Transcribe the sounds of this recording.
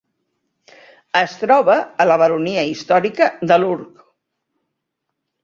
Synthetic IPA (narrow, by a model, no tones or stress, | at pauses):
əst̪ɾɔβ̞əːləβ̞əɾuniəist̪ɔɾikəd̪əluɾk